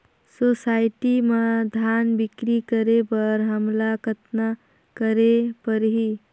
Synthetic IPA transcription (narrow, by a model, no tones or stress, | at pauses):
sosaɪʈimad̪ʱanbɪkɾikəɾebəɾɦəmlakʰət̪na | kəɾepəɾɦi